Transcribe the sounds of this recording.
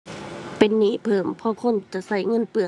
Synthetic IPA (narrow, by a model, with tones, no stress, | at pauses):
pe˨nːiː˧˥˨pʰɤː˨˩mpʰɔ˧˨kʰo˧˥˨nt͡ɕa˨˧˦sa˧˩˨jŋɤ˧˥˨npɯ˨ə